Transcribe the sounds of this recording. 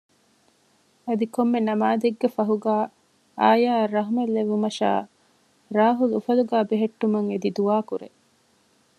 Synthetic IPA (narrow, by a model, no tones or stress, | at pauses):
ɐd̪ikomːenɐmaːd̪eɡːefɐɦuɡæː | aːjaːrɐɦumelːeʋumɐʃa̰ː | ɾaːɦulufɐluɡæːbeɦeʈːumɐŋed̪id̪uʋaːkuɾḛ